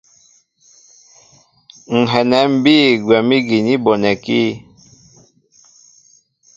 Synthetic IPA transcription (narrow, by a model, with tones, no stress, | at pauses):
ŋ̩˨ɦɛ˨nɛ˨˦m̩˦biː˦˨ɡwɛ˨mi˦ɡi˨ni˦bɔ˨nɛ˨ki˦